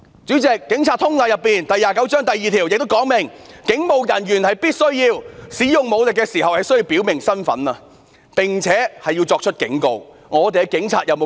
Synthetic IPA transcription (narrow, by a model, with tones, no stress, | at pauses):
t͡ʃyː˨˥t͡sɛː˨˩kːɪ˨˥ŋt͡sʰaː˧t̪ʰʊ˥ŋlaː˨˩jɐ˨pːiː˨nt̪ɐ˨jːaː˨kɐ˨˥wt͡ʃœː˥ŋt̪ɐ˨jːiː˨˧t̪ʰiː˨˩wjɪ˨k̚t̪o˥kɔː˨˥ŋmɪ˨˩ŋkɪ˨˥ŋmo˨˧wjɐ˨˩njyː˨˩nhɐ˨jpiː˥t̚sɵ˥ɥjiː˧wsiː˨˥jʊ˨ŋmo˨˧wlɪ˨kːɛː˧siː˨˩ɦɐ˨whɐ˨jsɵ˥ji˧wpiː˨˥wmɪ˨˩ŋsɐ˥nfɐ̰˨˥nɐː˧ | pɪ˨˩ŋt͡sʰɛː˨˥hɐ˨jːi˧wt͡sɔː˧k̚t͡ʃʰɵ˥t̚kɪ̰˨˥ŋko˧w | ŋɔː˨˧t̪̬e˨jɛ˧kɪ˨˥ŋt͡sʰa̰ː˧t̚jɐ˨˧wmo˨˧